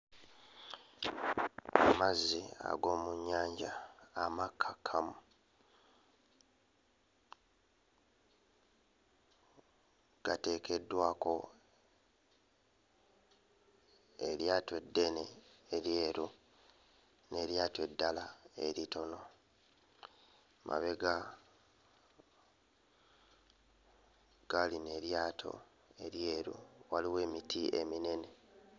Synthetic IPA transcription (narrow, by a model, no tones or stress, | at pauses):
amazːia̰ɡo̞ːmuɲːaːɲɟaːmakʰːakʰːamu | ɡ̥ate̞ːkʰe̞dːwaːko̞ | eɾjaːtwe̞dːe̞neːɾje̞ːɾu | ne̞ɾjaːtwe̞dːalae̞̰ɾito̞no̞ | mʔa̰βe̞ɡa | ɡ̥aline̞ɾjaːtʰo̞̰ | e̞ɾje̞ːɾṵwaliwe̞ːmitʰiʔḛmine̞ne̞